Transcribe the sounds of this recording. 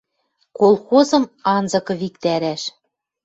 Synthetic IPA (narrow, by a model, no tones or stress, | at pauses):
kolˠxozɤ̆mɑnzɤ̆kɤ̆βikt̪æɾæʃ